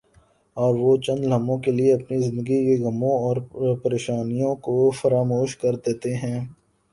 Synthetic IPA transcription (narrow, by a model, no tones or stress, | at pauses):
ɔːɾʋot͡ʃɐ̃nd̪lɐmõkelieɐpnizɪ̃nd̪əɡikeɣɐmõɔːɾpɐɾeːʃaːnijõkofɐɾaːmoːʃkɐɾd̪eːt̪eɦɛ̃ː